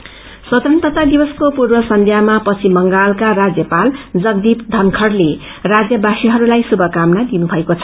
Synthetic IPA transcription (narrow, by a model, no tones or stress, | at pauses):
sʌt̪ɾʌnt̪ʌt̪ad̪ibʌskopurbʌsʌnd̪ʱjamapʌt͡sʰimʌŋɡalkarad͡zjʌpald͡zʌɡd̪ipd̪ʱʌnkʰʌrle | rad͡zjʌbʱasiɦʌɾulajsubʱʌkamnad̪inubʱʌekot͡sʰʌ̥